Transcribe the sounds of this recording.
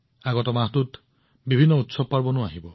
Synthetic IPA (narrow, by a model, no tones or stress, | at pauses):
aɡɔtɔmaɦtʊt | bibʱinːɔutsɔb̚paɹbɔnʊaɦibɔ